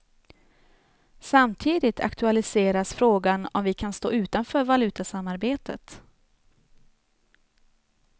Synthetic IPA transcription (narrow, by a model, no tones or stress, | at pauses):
samt̪ʰiːd̪ɪt̪ʰa̰kt̪ʰɵalɪseːɾasfɾoːɡanɔ̰mvɪkʰanst̪o̰ːʉ̟ːt̪anfœːɾvalʉ̟ːt̪asamːaɾbeːt̪ʰə̰t̪